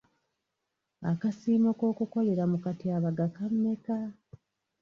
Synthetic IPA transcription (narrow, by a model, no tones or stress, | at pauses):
akasiːmoko̞ːkuko̞le̞ɾamukatiaβaɡakamːe̞ka